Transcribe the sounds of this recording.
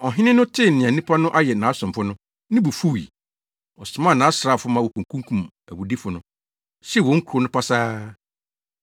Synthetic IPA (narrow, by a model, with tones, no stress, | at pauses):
ɔ˨ɦɪ̃˦nɪ̃˦nʊ̃˦tʰɪ˦˨nɪ̃˨a˨nĩ˦pʰa˦nʊ̃˦ʔa˦jɛ˨nãː˨˦sʊ̃˨mfʊ˦nʊ̃˦ | nɪ̃˦bu˨fu˦˨ḭ˨ | ɔ˨sʊ˨mã˦˨nã˨˦sɾa˦˨fʊ˦mã˦wɔ˨kʰũ˨ŋ˨kʰũ˦kʰũ˦˨m | æ̰˨wu˨di˦fʊ˨nʊ̃˦ | ɕɛ˦˨wɔ̃˨ŋ̩˦kʰu˨ɾʊ˦nʊ̃˦pʰa˦saː˦